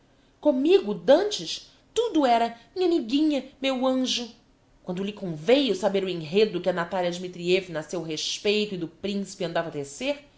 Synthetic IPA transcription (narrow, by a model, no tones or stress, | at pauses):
kõmiɡʊd̪ɐ̃nt͡ʃɪʃ | t̪ud̪ʊɛɾɐmĩɲɐmiɡĩɲɐmewɐ̃ʒʊ | kwɐ̃nd̪ʊlɪkõvejʊsabeɾʊẽɦed̪ʊkɪɐnat̪aliɐd͡ʒimit̪ɾievinɐsewɦeʃpejt̪ʊid̪ʊpɾĩsi̥pɪɐ̃nd̪avɐd̪eseɾ